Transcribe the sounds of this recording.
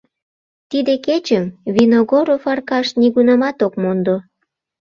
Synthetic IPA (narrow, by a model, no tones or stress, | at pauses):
t̪id̪eket͡ɕəmvinoɣoɾofɑrkɑʃniɣunɑmɑt̪okmond̪o